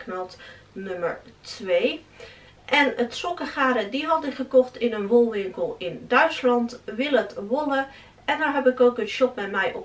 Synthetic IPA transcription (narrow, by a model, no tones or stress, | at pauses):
knɔt | nøməɹtʋej | ʔɛnətsɔkəχaːɾədiɦɑtɪkχəkɔχtɪnənʋɔlˠʋɪŋkəlˠɪndœɥtslɑntʋɪlˠətʋɔlə | ɛndaɹɦɛpɪkowkənʃɔp̚mɛtmɛjʔɔp